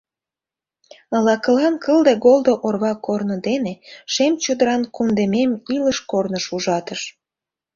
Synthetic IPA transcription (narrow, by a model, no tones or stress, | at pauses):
əlɑkə̆lɑnkəld̪eɣold̪oʔorβɑkornod̪eneʃemt͡ɕod̪əɾɑnkund̪ememiləʃkornəʃuʒɑt̪əʃ